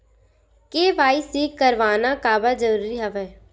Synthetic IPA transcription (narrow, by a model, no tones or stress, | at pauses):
keːʋaːisiːkːɐɾʋaːnakaːbad͡ʒɐɾuːɾiɦɐʋɛ